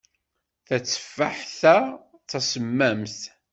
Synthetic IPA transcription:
θæt͡sːə̥fːaħθæ | t͡sːæsəmːæmθ

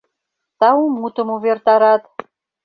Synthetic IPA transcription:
t̪ɑumut̪ə̆muβert̪ɑɾɑt̪

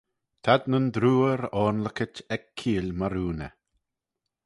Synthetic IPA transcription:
t̪ʰad̪nənd̪ɾuːəɾɔːnləkətɛkʰːiːlʲmaɾuːnə̰

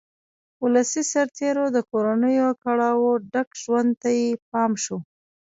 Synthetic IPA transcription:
ulasisaɾt̪eɾod̪əkoɾanəjokaɽɑwoɖakʒwand̪t̪ajep̚ɑmʃo

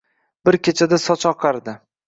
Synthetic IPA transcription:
bɪɾkʲet͡ʃʰad̪asɒt͡ʃʰɒqʰɑɾd̪ɪ

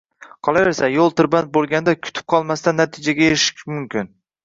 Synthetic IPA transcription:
qʰɒlˠaveɾsajolˠt̪ʰʊɾbant̪̚bolˠɡʲand̪akʲʰʊ̥t̪ʰɪ̥p̚qʰɒlˠmast̪anːat̪ʰɪd͡ʒaɡʲajeɾɪʃɪ̥kʲmʊmkʲʰɪn

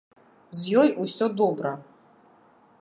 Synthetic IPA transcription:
zʲjɔjusʲɔd̪ɔbɾɐ

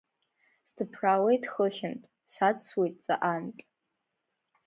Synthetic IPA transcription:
sdʰɨpʰrawejtχəχʲɪntʼ | sat͡sʰwejtʼt͡sʼa̰ʔankʲʼ

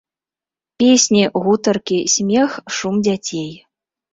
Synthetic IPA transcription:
pʲesʲnʲiɣut̪ɐrkʲisʲmʲɛxʂumd͡zʲat͡sʲej

